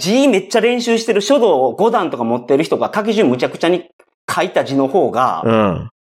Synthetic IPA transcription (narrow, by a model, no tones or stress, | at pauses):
d͡ʑime̞t͡ɕːaɾẽ̞ɰ̃ɕɨːɕi̥t̪e̞ɾɯ̟ɕo̞d̪o̞ːɡo̞d̪ãnt̪o̞kamo̞t̪ːeɾɯ̟çi̥t̪o̞ɡat̪ak̬iʑɨ̃mːɯ̟t͡ɕakɯ̟̥t͡ɕaɲ̟i | kʰait̪ad͡ʑino̞ho̞ːɡã̰